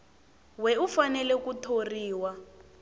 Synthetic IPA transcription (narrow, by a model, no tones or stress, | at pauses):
wɛufanɛlɛkutʰoriːwa